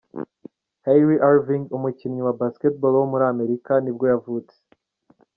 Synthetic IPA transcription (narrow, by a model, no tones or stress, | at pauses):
hajɾiʔaɾviŋɡumucimɲiwabasketbolwomuɾaːme̞ɾikanib̚ɡo̞javuːt͡se̥